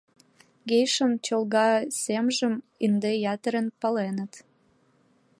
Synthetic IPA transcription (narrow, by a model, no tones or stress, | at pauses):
ɡejʃəmt͡ɕəlɣɑsemʒəm | ind̪ejɑt̪əɾənpɑlenət̪